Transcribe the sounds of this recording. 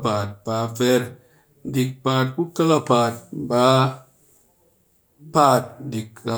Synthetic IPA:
pa˨t̚ba˨˧vɛ˧˦ɾ | di˨k̚pa˧t̚ku˦ka˦ka˧pa˨t̚ba˦ | pa˧t̚di˨ka˨

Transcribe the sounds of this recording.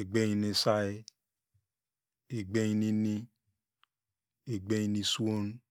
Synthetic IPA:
e˨ɡ͡be˦ɲi˧ne˧˨sa˦e˦ | e˨ɡ͡be˦ɲi˧ni˧ni˦ | e˨ɡ͡be˦i˧ni˧su˦o˦n˦

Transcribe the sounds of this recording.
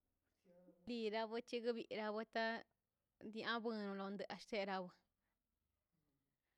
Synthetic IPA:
li˧ɾa˧βɨ˧t͡ʃi˦ɡɨ˦βi˧ʔɾa˧βɨ˧t̪a˦ | d̪i˧ã˦bɨ˧nũ˧lo˧nd̪ɨ˧ʔa˧ʃt̪e˦˧ɾa˧βɨ˧

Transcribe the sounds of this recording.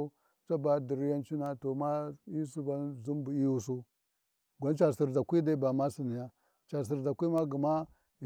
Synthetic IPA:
t͡ʃa˦ba˨˦di˨ɾi˦ja˦nt͡ʃi˦na˨to˨ma˦i˦su˦ba˦zu˦mbu˨i˦wu˦˨s̬u˦ | ɡʷa˦nt͡ʃa˨si˨ɾza˨kʷi˦da˦ba˨ma˦si˨ni˨ja˦ | t͡ʃa˨s̬i˨ɾza˨kʷi˦ma˦ɡi˨ma˦ | i˨

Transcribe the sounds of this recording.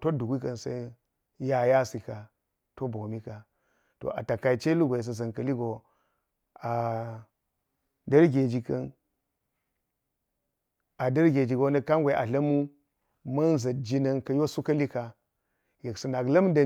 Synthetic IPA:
to˦du˨ɡʷi˦kɐ˨nsa˦i˦ | ja˦ja˦si˨ka˨ | to˦bo˨mi˦ka˨ | to̰˨ʔa̰˨ta˨ka˨i˨t͡ʃe˦lu˦ɡʷe˨s̬ə˨zɐ˨nkɐ˨li˦ɡo˨ | a˨ | dɐ˦ɾɡe˨d͡ʒi˨kɐ˦n | a˨dɐ˦ɾɡʲe˨d͡ʒi˨ɡo˦na˦ka˦ŋɡʷe˨ʔa̰˨ɮɐ˦mu˦ | mɐ˦nzɐ˨d͡ʒi˦nɐ˦nkɐ˨jo˦su˦kɐ˦li˦ka˨ | je˨ksu˨na˨klɐ˦m˦da˨

